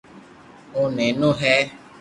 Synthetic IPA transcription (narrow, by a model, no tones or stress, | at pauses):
ʊnɛnʊɦɛ